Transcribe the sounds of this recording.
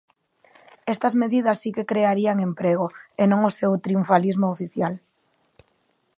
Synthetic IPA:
est̪ɐzmeðið̞ɐsːikekɾeaɾiaŋempɾeɣ̞oenõŋosewt̪ɾiuɱfalizmoːfiθjal

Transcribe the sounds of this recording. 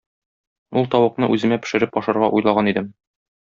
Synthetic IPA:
ulˠt̪ɒwɤ̆qnɤʔʉzɘ̆mæpɘ̥̆ʃɘ̆ɾɘpɒʃɤ̆ɾʁɑ̰ʔujlˠɑʁɑnid̪ɘm

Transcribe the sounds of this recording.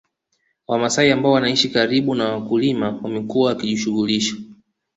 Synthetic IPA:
wamasaiambaɔwanaiʃikaɾiɓunawakulimawamɛkuawakiʄiʃuɣuliʃḁ

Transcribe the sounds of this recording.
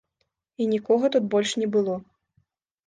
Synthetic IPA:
inʲikɔɣɐt̪ud̪bɔlʲʂnʲɛbɨlˠɔ

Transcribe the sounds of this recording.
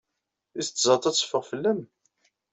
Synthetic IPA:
iθt͡s̪ːzɑt̪ˤɑt͡sːə̥fəʁfəlːæm

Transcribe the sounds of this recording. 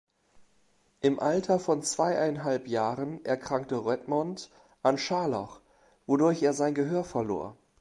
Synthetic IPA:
ʔɪmʔaltʰɐfɔnt͡sv̥aɪʔaɪnɦalpjaːʁənʔɛɐkʁ̥aŋk̚təʁœtmɔnt | ʔanʃaɐlɔ̰χ | v̥odʊɐçeːɐzaɪnɡəɦøːɐfɛɐlo̰ːɐ

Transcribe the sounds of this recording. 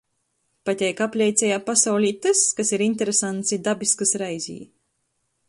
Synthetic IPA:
pat̪ʲɛjkapʲlʲɛjt̪sʲɛjaːpasawlʲiːt̪ɨskasiɾint̪eɾesant̪sid̪abiskɨsɾajzʲḭːj

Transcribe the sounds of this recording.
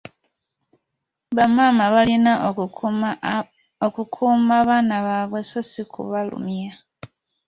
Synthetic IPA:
βamamaβalina | okukʰuːmaβaːnaβaːβwesosikʰṵβalṵmja

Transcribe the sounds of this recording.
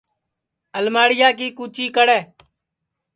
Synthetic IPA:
əlmaːɽɪjaːk̬iːkuːt͡ʃiːkəɽɛː

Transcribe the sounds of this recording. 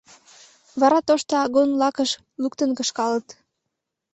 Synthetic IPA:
βɑɾɑt̪oʃt̪oɑɣonlɑkəʃ | lukt̪ənkə̆ʃkɑlət̪

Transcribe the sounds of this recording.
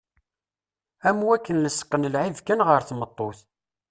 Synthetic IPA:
æmwækːənləsːə̥qːənəlʕivɡænʁəɾθmət̪ˤːoθ

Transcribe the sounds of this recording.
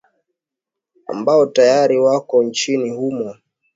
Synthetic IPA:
a̰mbaɔtajaɾiwakɔnt͡ʃinihumɔ

